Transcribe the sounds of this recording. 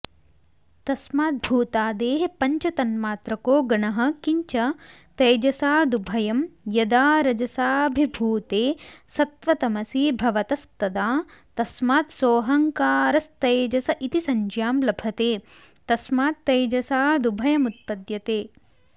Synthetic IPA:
t̪ɐsmaːt̪̚bʱuːt̪aːd̪eːɦepɐɲt͡ʃɐt̪ɐnmaːt̪ɾɐkoːɡɐɳɐɦɐ̆kiɲt͡ʃɐ | t̪ɐjd͡ʒɐsaːd̪ubʱɐjɐmjɐd̪aːɾɐd͡ʒɐsaːbʱibʱuːt̪eːsɐt̪ʋɐt̪ɐmɐsiːbʱɐʋɐt̪ɐst̪ɐd̪aːt̪ɐsmaːt̪soːɦɐŋkaːɾɐst̪ɐjd͡ʒɐsɐʔit̪isɐɲd͡ʒjaːmlɐbʱɐt̪eː | t̪ɐsmaːt̪ːɐjd͡ʒɐsaːd̪ubʱɐjɐmut̪̚pɐd̪jɐt̪eː

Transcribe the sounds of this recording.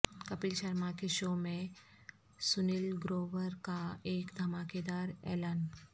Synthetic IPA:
kəpiːlɕəɾmakeɕomẽ | sunilɡɾoʋəɾkaekd̪ʱəmaked̪aɾɛ̰lan

